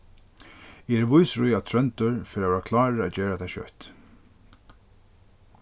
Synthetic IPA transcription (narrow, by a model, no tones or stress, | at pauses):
ɛɛɾvujsɾujat̪ʰɾœnt̪ʊɹfɪɾavɛːɾakʰlaːɾɪat͡ɕɛːɾat̪ʰajɕœ̰ht̪